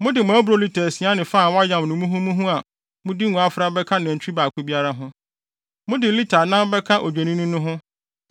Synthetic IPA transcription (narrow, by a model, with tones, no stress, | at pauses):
mʊ̃˦dɪ˨mʊ̃˨˦bɾo˨li˦tʰa˨si˨˦a˦nɪ̃˨faː˦˨wɔ˦a˦jã˨mnʊ̃˨mũ˦ɦũ˦mũ˦ɦũ˦a˨ | mʊ̃˦di˦nũ˨a˨fɾa˦bɛ˦kʰa˦nʊ̃˨t͡ɕʰᶣi˦baː˨kʰʊ˦bi˦a˦ɾa˦ɦʊ̃˦ | mʊ̃˦dɪ˨li˦tʰa˨nã˦bɛ˦kʰa˦ʔo˨d͡ʑᶣe˨nĩ˦nʊ̃˦nʊ̃˦ɦʊ̃˦